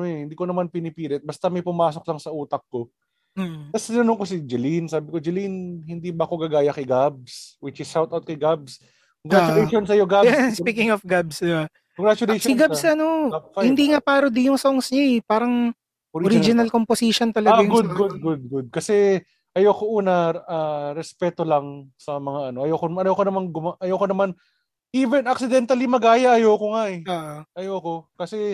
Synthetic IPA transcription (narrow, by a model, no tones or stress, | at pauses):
ɐnoɛhɪnd̪iːkonɐmanpɪnɪpiːlɛt̪̚bɐst̪ɐmɐjpʊmaːso̞k̚lɐŋsɐʔuːt̪ɐk̚ko̞ | m̩ːt̪ɐst̪ɪnɐnoŋkos̬id͡ʒɛlinsaːbɪkod͡ʒɪlinhɪnd̪iːbɐɐko̞ɡɐɡaːjɐkɐjɡab̚swɪt͡ʃɪsːawt̪awt̪̚kɐjɡab̚s | koŋɡɾat͡ʃʊejonsɐjoɡajɛspiːkɪŋofɡabsba | koŋɡɾat͡ʃʊlejsɪɡabsɐnohɪnd̪iŋapaːɾod̪ɪjʊŋsoŋsɲaɛpaːɾɐŋ | ʔoɾoɾid͡ʒɪnɐlkomposiʃont̪ɐlɐɡajʊɡʊd̪̚ɡʊd̪̚ɡʊd̪̚ɡʊd̪̚kɐsɛ | ʔɐjoːkoʔuːnɐaːɾɛspɛt̪olɐŋsɐmɐŋaʔɐnoʔɐjokoɐjoːkonɐmanɡʊmaʔɐjokonɐman | ʔiːvɛnɐksɪd̪ɛnt̪ɐlimɐɡaːjɐʔːjoːkoŋaɛoʔoʔɐjoːkokɐsɛ